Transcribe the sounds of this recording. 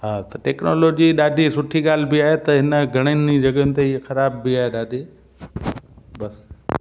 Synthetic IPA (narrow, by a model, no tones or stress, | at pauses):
ɦaːt̪ɐʈeːknoːloːd͡ʑiɗaːɖʱisʊʈʰiɠaːl̤ɪbɪaːɦet̪ɐɦɪnəɡʱɐɽ̃ənid͡ʑɐɠəʊnɪt̪eiexɐɾaːbːɪaːɦeɗaːɖʱiː | bɐs